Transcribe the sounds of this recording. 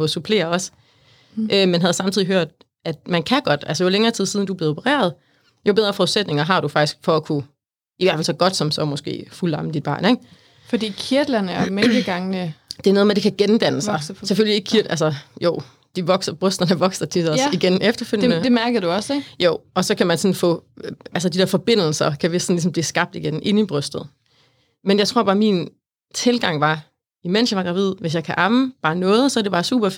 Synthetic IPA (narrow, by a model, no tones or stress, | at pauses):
mosupʰle̝̰ːɐɒ̽s | ʔømenɦæð̞̩ˠsɑ̈mt͡sʰið̰ˠiɦøɐ̰d̥ | ʔæd̥mænkʰæɡ̥ɒ̽d̥ælsəjoleŋɐːt͡sʰið̞̰ˠsiðˠn̩d̥ub̥le̝ːopʰəʁḛːɐð̞̩ˠ | jo̝be̝ð̞ˠʁɐfɒuðˠsed̥ne̝ŋɐɦɑ̈d̥ufɑ̈ɡ̥isɡ̥fɒ̽ækʰu | iʋæɐfælsɒ̽ɡ̥ɒ̽d̥sɒ̽msɒ̽mɔ̽sɡ̥e̝̰ːfulɑ̈məd̥id̚b̥ɑ̰̈ːneɡ̥ | fɒd̥ḭːkʰiɐd̥lɐnəæɐmenɡ̥əɡ̥ɑ̈ŋənəd̥e̝ɐnoːð̩ˠmede̝kʰæɡ̥end̥æn̰əsɑ̈ɪsefølieɡkʰiɐʔælsɐjoʊ̰ː | d̥iʋɒ̽ɡ̥sɐb̥ʁœsd̥ɐnəʋɒ̽ɡ̥sɐt͡sʰisɐiɡ̥enefd̥ɐføl̰jnədemæɐɡ̥ð̩ˠd̥uɒ̽sɡ̥joʊ̰ʔɒ̽sɒ̽kʰæmænsɒ̽nfɔ̰̽ːæls̬əd̥id̥ɛɐ̰fɒ̽b̥e̝n̰l̩sɐkʰæʋesn̩lisɒ̽mb̥liːsɡ̥ɑ̈b̥̚d̥iɡ̥enʔe̝nib̥ʁœsd̥ð̩ˠ | menjɑ̈ɪt͡sʰʁo̝ɐ̰bɑ̈ːmin | t͡sʰe̝lɡ̥ɑ̈ŋ̰ʋɑ̈ | imen̰sjɑ̈ʋɑ̈ɡ̥ʁɑ̈ʋið̞̰ˠʋe̝s̬jɑ̈ɪkʰæʔɑ̈məb̥ɑ̈ːnɔ̽ːð̞̩ˠsɒɐd̥e̝bɑ̈ːsṵːb̥ɐf